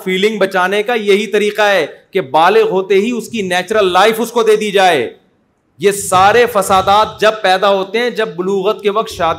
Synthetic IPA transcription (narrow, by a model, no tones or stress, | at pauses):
fiːlɪ̃ŋɡbɐt͡ʃaːnekajɐɦit̪ɐɾiːqaɦɛːkebaːlɪɣɦoːt̪eɦiʊskinɛːt͡ʃɾəlːaːɪfʊskod̪eːd̪id͡ʒaːeː | jeːsaːɾefɐsaːd̪aːt̪̚d͡ʒɐb̚pɛːd̪aɦoːt̪eɦɛ̃d͡ʒɐb̚ːʊluːɣət̪̚keʋɐq̚t̪ʃaːd̪